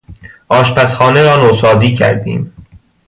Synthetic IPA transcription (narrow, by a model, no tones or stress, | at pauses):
ʔɒːʃpæsxɒːneɾɒːnosɒːziːcʰæ̰ɾd̪ḭːm